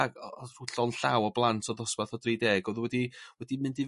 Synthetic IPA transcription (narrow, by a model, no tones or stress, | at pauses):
ɡruɬɔnɬawɔblˠantʰɔðɔspaθɔdriːdɛːɡɔðwɛdiwɛdimɨndi